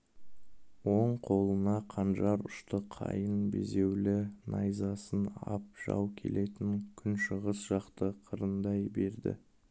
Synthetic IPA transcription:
wo̞ɴqʰo̞lˠənɑqʰɑnʒɑɾʊʃt̪əqʰɑ̰jənbe̞̰ze̞wlɪnʔɑjzɑsənɑ̰p̚ʒ̥ɑ̰wkʲʰe̞̰lʔe̞t̪ɪŋkʲʰʏnʃəʁəsʒ̥ɑqt̪əqʰəɾənd̪ɑjbe̞ɾd̪ɪ̰

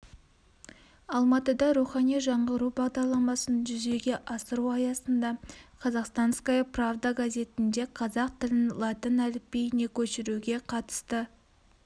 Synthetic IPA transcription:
ɑlˠmɑt̪əd̪ɑɾuχɑnijʒɑɴʁəɾubɑʁd̪ɑɾlˠɑmɑsənʒʏze̞ɡʲe̞ʔɑsəɾuɑjɑsənd̪ɑqʰɑzɑqst̪ɑnskajəpravd̪aɡazʲe̞t̪ɪnd̪e̞qʰɑzɑq̚t̪ʰɪlɪnlˠɑt̪ɪnælɪpːe̞jne̞kʲʰɵʃɪɾuɡʲe̞qʰɑt̪ə̥st̪ə

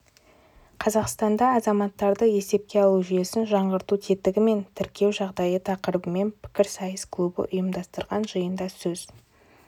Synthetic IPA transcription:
qʰɑzɑqst̪ɑnd̪ɑːzɑmɑt̪ːɑɾd̪əje̞se̞p̚kʲe̞ɑlˠuʒʏje̞sɪnʒɑɴʁəɾt̪ut̪ʰe̞t̪ɪɡʲɪme̞nt̪ʰɪɾkʲe̞wʒɑʁd̪ɑjət̪ʰɑqəɾəbəme̞npʰɪ̥kʲɪɾsɑjəsklˠubə̰ʔʊjəmd̪ɑst̪əɾʁɑnʒəjənd̪ɑsɵz̥

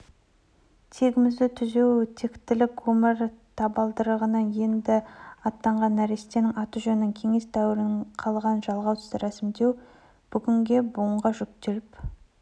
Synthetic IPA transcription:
t̪ʰeɡʲɪmɪzd̪ɪt̪ʰʏze̞wt̪ʰe̞kt̪ːɪlɪkwɵmɪɾt̪ʰɑbɑlˠd̪əɾəʁənəje̞nd̪ɪɑt̪ːɑɴʁɑnːæɾest̪enɪŋɑt̪uʒɵnɪnɪŋkʲʰe̞ŋe̞sd̪ʰæwɪɾɪɴqʰɑlˠʁɑnʒɑlˠʁɑwt̪ʰʏ̥zt̪ɪɾʔæsɪmd̪e̞w | b̥ʏɡʲɪŋɡʲe̞bʊəɴʁɑʒʏk̚t̪e̞lɪp

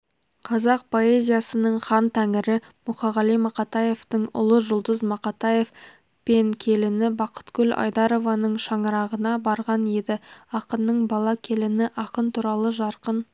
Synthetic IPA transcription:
qʰɑzɑq̚pʰo̞e̞zʲijɑsənəɴχɑnt̪ʰæŋɪɾɪ | mʊqɑʁɑlˠijmɑqɑt̪ɑje̞ft̪əɴʊ̰lˠəʒʊlˠd̪əzmɑqɑt̪ɑje̞f | pe̞ŋkʲʰe̞lɪnɪbɑqʰə̥t̪kʲʏlʔɑ̰jd̪ɑɾo̞vɑnəɴʃɑɴəɾɑʁənɑbɑɾʁɑnje̞d̪ɪɑqənːəɴbɑlˠɑkʲʰe̞lɪnɪʔɑqənt̪ʰuɾɑlˠəʒɑɾqən

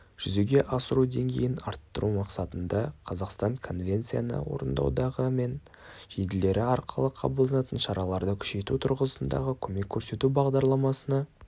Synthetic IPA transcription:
ʒ̥ʏze̞ɡʲe̞ʔɑsəɾud̪e̞ŋɡʲe̞̰jɪnɑɾt̪ːəɾʔumɑqsɑt̪ənd̪ɑqʰɑzɑqst̪ɑɴkʰo̞nvʲe̞nt̪sija̰nə̰wo̞̰ɾənd̪ɑ̰wd̪ɑʁəme̞n | ʒed̪ɪle̞ɾɪɑɾqʰəlˠəqʰɑ̰bəlˠd̪ɑnɑt̪ənʃɑɾɑlˠɑɾd̪əkʲʰʏ̥ʃe̞t̪ut̪ʰʊɾʁəsənd̪ɑ̰ʁəkʲʰɵme̞kʲʰːɵɾse̞t̪ubɑʁd̪ɑɾlˠɑmɑsənɑ

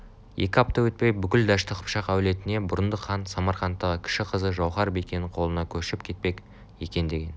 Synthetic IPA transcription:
je̞kʲɪɑp̚t̪ɑwɵt̪̚pe̞jbʏkʲɪld̪ɑʃt̪əqʰʊ̥pʃɑqæwle̞t̪ɪne̞bʊɾənd̪əqʰːɑnsɑmɑɾχɑnt̪ːɑʁəkʲʰɪ̥ʃɪqʰəzəʒɑwχɑɾbejkʲe̞nɪɴqʰo̞lˠənɑkʲʰɵʃɪp̚kʲʰe̞t̪̚pe̞kʲ | e̞kʲe̞nd̪e̞ɡʲe̞n

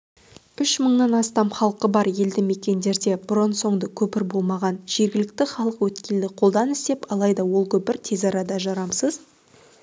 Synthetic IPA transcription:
ʏʃməɴnɑnɑst̪ɑmχɑlˠqːəbɑɾje̞ld̪ɪme̞kʲe̞nd̪e̞ɾd̪e̞bʊɾənso̞ɴd̪əkʲʰɵpɪɾbo̞lˠmɑʁɑnʒ̥e̞ɾɡʲɪlɪk̚t̪ɪχɑlˠəqwɵt̪kʲe̞ld̪ɪqʰo̞lˠd̪ɑnɪst̪e̞pɑlˠɑjd̪ɑwo̞lˠkʲʰɵpɪɾt̪ʰe̞zɑɾɑd̪ɑʒɑɾɑmsəz

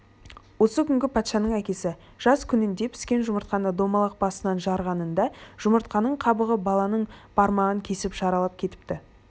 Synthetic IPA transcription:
wo̞səkʲʰʏŋɡʲɪpʰɑt̪ʃɑnəɴækʲe̞sɪ | ʒ̥ɑskʲʰʏnɪnd̪e̞pʰɪ̥skʲe̞nʒʊməɾt̪̚qɑnəd̪o̞mɑlˠɑq̚bɑsənɑnʒɑɾʁɑnənd̪ɑʒ̥ʊməɾt̪qɑnəɴqʰɑbəʁəbɑlˠɑnəɴb̥ɑɾmɑʁəŋkʲʰe̞sɪpʒɑɾɑlˠɑp̚kʲʰe̞t̪ɪ̥p̚t̪ɪ

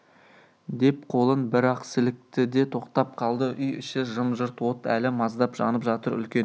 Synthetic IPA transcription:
d̪e̞p̚qʰo̞lˠənbɪɾɑqsɪlɪk̚t̪ɪd̪e̞t̪ʰo̞qt̪ɑp̚qʰɑlˠd̪əʔʏjʏ̰ʃɪʒəmʒʊɾt̪wo̞t̪æ̰lɪmɑzd̪ɑpʒɑ̰nəpʒɑt̪əɾʏ̰lkʲe

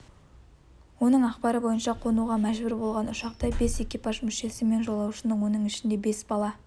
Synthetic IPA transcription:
wo̞nəɴɑqpɑɾəbo̞jənʃɑqʰo̞nuʁɑmæʒbʏɾbo̞lˠʁɑnʊʃɑqt̪ɑbe̞se̞kʲijpɑʒmʏʃe̞sɪme̞nʒo̞lˠɑwʃənəwo̞nəɴɪʃɪnd̪e̞be̞sbɑlˠɑ

